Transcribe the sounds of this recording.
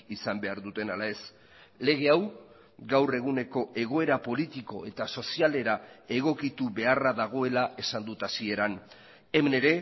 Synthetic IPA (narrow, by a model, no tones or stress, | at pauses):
isambe̞aɾðut̪e̞nalae̞s | le̞ɣ̞e̞aw | ɡawre̞ɣ̞une̞ko̞ʔe̞ɣ̞o̞e̞ɾapo̞lit̪iko̞e̞t̪aso̞siale̞ɾae̞ɣ̞o̞kit̪uβe̞araðaɣ̞o̞e̞laʔe̞sand̪ut̪asie̞ɾan | emene̞ɾe̞